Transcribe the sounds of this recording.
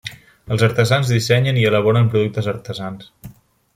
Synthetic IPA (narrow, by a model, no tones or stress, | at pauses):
əlˠzəɾt̪əzanzðisɛɲəniələβɔɾəmpɾuðuk̚t̪əzəɾt̪əzans